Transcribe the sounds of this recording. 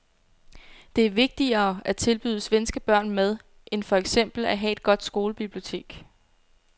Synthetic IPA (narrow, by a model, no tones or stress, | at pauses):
d̥e̝æɐʋe̝ɡ̥̚d̥iɐːʔæt͡sʰe̝lb̥y̰ðˠəsʋensɡ̥əb̥ɶɐ̰nmeð̞ˠ | ʔe̝nfɒ̽eɡ̥sem̰b̥l̩æɦɛe̝d̥̚ɡ̥ɒ̽d̥sɡ̥o̝ːləb̥ib̥lio̝t͡sʰe̝̰ːɡ̥